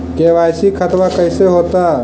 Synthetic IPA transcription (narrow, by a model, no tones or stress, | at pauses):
keʋajsikʰət̪ʋakəɪseɦot̪a